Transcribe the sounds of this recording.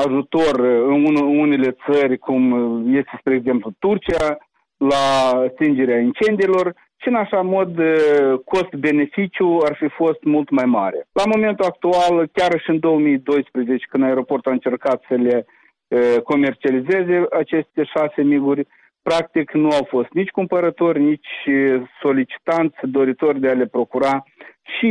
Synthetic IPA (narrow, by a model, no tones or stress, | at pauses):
aʒut̪o̞rɨunune̞le̞t̪sərʲkumje̞st̪e̞spɾeeɡze̞mplut̪urt͡ʃija | last̪ind͡ʒe̞ɾeaint͡ʃe̞nd̪ijelo̞r | ʃiɨnaʃamo̞d̪ko̞st̪be̞ne̞fit͡ʃijuarfifo̞st̪mult̪majmaɾelamo̞me̞nt̪uak̚t̪ualkʲaɾʃɨnd̪o̞wəmijd̪o̞jspɾezet͡ʃe̥kɨnd̪aeɾo̞po̞rt̪uaɨnt͡ʃe̞rkat̪səle̞ | ko̞me̞rt͡ʃialize̞ze̞ʔat͡ʃe̞st̪e̞ʃase̞miɡurʲ | pɾak̚t̪iknuawfo̞st̪nit͡ʃʲkumpəɾət̪o̞rʲnit͡ʃʲso̞lit͡ʃi̥t̪ant̪sʲd̪o̞ɾit̪o̞rʲd̪eale̞pɾo̞kuɾaʃi